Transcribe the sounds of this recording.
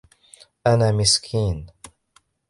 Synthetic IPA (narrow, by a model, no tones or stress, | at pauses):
ʔanaːmɪskʰiːn